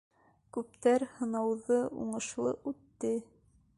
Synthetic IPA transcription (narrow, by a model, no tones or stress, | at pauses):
kʉp̚t̪æɾhɤ̆nɑwðɤṵɴɤ̆ʃlˠɤ̰ʔʉt̪ːɘ